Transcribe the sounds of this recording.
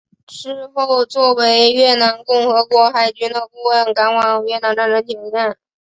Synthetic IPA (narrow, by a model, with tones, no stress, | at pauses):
ʈ͡ʂɻ̩˥˧xo˥˧ʊt͡swɔ˥˩we˧˥ɪɥɛ˥˩na˧˥nkʊ˥˩ŋxɤ˧˥kwɔ˧˥xa˥˩ɪt͡ɕy˥nd̪ə˧˨ku˥˧ə˥˩nka˧˥nwɑ˨˩ŋɥɛ˥˩na˧˥nʈ͡ʂa˥nɻə˧˥nt̪ʰi˨˧˥ŋjɛ˥˩n